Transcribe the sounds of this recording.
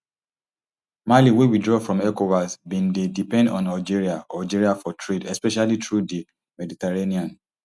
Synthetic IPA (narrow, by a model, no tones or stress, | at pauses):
maliwewidɹɔfɹɔ̃mɛkovasbĩndedipɛ̃ndɔ̃nald͡ʒiɹiaʔald͡ʒiɹiafɔtʰɹedɛspɛʃalitɹudi | mɛditɛɹeniãn